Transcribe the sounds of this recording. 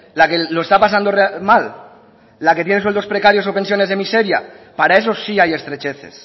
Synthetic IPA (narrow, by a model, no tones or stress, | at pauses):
lakeloest̪apas̬and̪oremalː | ake̞t̪jeneswelt̪ospɾekaɾjo̞sopens̬jo̞nezðe̞miseɾja̰paɾae̞s̬o̞siaje̞st̪ɾet͡ʃeθe̞̰s